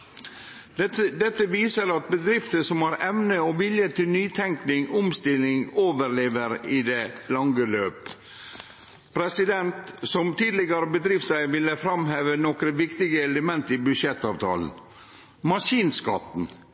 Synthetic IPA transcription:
ɛd̪ɛt̪ːəʋiːsəɾɑt̪̚bəd̪ɾɪft̪əsɔmɑɾɛʋnəɔʋɪljət̪ʰɪlnyːt̪ʰɛŋknɪŋɔmst̪ɪlɪŋoːʋəɾleːʋəɾɪd̪ɛlɑŋɡəløːp | pʰɾɛsɪd̪ɛnt̪sɔmt̪ʰiːd̪lɪɡəɾəbəd̪ɾiːʋsæɪʋɪlːəfɾɑmheːʋənɔkɾəʋɪkt̪ɪɡəɛləmɛnt̪ɪbʉʂɛt̪ːɑːʋt̪ʰɑ̰ːln̩ | mɑʂiːnskɑ̰t̪n̩

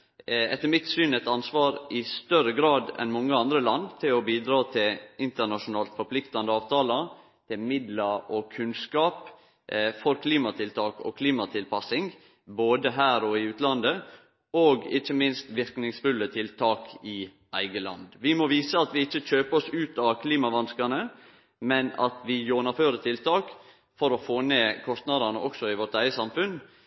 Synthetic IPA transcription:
ɛt̪ːəɾmɪt̪syːnɛt̪ɑnsʋɑːɾɪst̪œɾəɡɾɑːd̪ɛ̰nmɔŋːəɑnd̪ɾəlɑnd̪t̪ʰɪlɔbiːd̪ɾɑːt̪ʰɪlɪnt̪əɳɑʂʊnɑːlt̪fɔɾpʰlɪkt̪ɑnd̪əɑːʋt̪ʰɑːlɑ | t̪ʰɪlmɪd̪lɑɾɔkʰʉnskɑːp | fɔɾkʰliːmɑt̪ʰɪlt̪ʰɑːkɔ̰kʰliːmɑt̪ʰɪlpʰɑsɪŋ | boːd̪əɦæːɾɔɪʉːt̪lɑnd̪ə | oːɡɪçːəmɪnst̪ʋɪɾknɪŋsfʉlːət̪ʰɪlt̪ʰɑːkɪ | æɪɡəlɑ̰nd̪ʋɪmɔʋiːsəɑt̪ʋɪɪçːəc͡çøːpəɔsʉːt̪ɑʋkʰliːmɑʋɑnskɑnə | mɛnɑ̰t̪ʋɪjuːnɑføːɾət̪ʰɪlt̪ʰɑːk | fɔɾɔfoːneːkʰɔst̪nɑd̪ɑnəʔɔksɔɪʋɔʈ̪æɪəsɑmfʉn

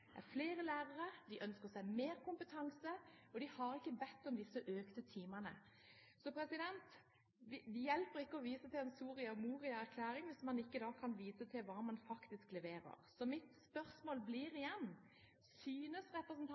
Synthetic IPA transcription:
dæ̰fleːɾəlæːɾəɾəd̪ɪʔœnskəʁsæɪmeːɾkʊmpət̪ʰɑŋsəɔd̪ɪhɑɾɪkːəbɛt̪ːɔmd̪ɪsːəʔøːkt̪ət̪ʰiːmɑnə̰ | sɔpʰɾɛsɪd̪ɛnt̪ | ʋɪd̪ɪjɛlpəɾɪkːəɔʋiːsət̪ʰɪlɛnsuːɾɪəmuːʁɪəæɾkʰlæːɾɪŋʋɪsmɑnɪkːəd̪ɑːkʰɑnʋiːsət̪ʰɪlʋɑːmɑnfɑkt̪ɪsklɛʋeːɾə̰ʁsɔmɪt̪spœʁsmoːlbliːɾɪjɛnː | syːnəsʁɛpɾəsnt̪ʰ

